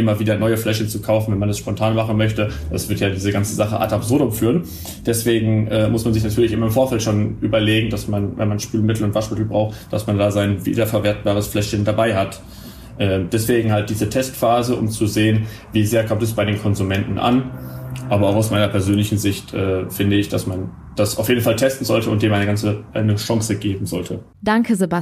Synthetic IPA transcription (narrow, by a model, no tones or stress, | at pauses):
ʔɪmɐviːdɐnɔʏəflɛʃçənt͡sukʰaʊfn̩vɛnmanɛsʃpɔntʰaːnmaχn̩mœçtəd̥a̰sv̥ɪɐtjaːdiːzəɡant͡səzaχə̰ʔa̰tabz̥ʊɐdʊmfyːʁən | d̥ɛsv̥eːɡŋ̩ʔɛːmʊsmanzɪçnatʰyːɐlɪçʔɪmɐɪmfoːɐfɛltʃoːnʔyːbɐleːɡŋ̩dasmanvɛ̰nmanʃpyːlmɪtl̩ʊntv̥aʃmɪtl̩bʁaʊxtd̥a̰smandaːzaɪnvḭːdɐfɛɐveːɐt̚b̥aːʁəsflɛʃçəndabaɪɦat | ʔɛːd̥ɛsv̥eːɡŋ̩ɦalt̚d̥iːzətʰɛstfaːzəʔʊ̰mt͡suzeːən | viːzeːɐkʰɔmtɛs̬b̥aɪɾeːnkʰɔnzumɛntn̩ʔa̰nʔaːbɐaʊxaʊsmaɪnɐpʰɛɐzøːnlɪçn̩zɪçtʔɛːfɪndəɪçd̥asman | d̥asʔa̰ʊfjeːdn̩faltʰɛstn̩zɔltʰəʊnt̚d̥eːmʔaɪnəɡant͡səʔaɪnəʃaŋsəɡeːbm̩zɔltʰə | d̥aŋkəzeba